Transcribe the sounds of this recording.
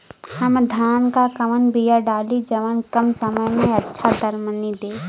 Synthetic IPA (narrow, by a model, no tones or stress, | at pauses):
həmd̪ʱaːnkakəmənbijaɖaːlid͡ʒɐʋənkɐmsəməjmẽɐtːʃʰad̪əɾmənid̪eː